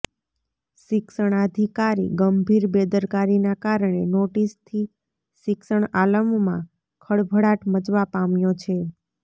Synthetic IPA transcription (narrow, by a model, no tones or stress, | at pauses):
ʃɪksəɳ̃ad̪ʱikaɾḭɡəmbʱiɾbed̪əɾkaɾinakaɾəɳ̃enoʈist̪ʰi | ʃɪksəɳaləmmã̰ | kʰəɽbʱəɽaʈmət͡ʃʋapamjot͡ʃʰe